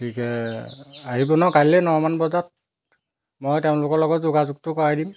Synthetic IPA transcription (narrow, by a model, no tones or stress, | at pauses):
tʰikɛ | aɦibɔnakalɛnɔɹmanbɔzat̚ | mojteʊ̃lʊkɔɹlɔɡɔtzoɡazuk̚tʊkɔɹajdim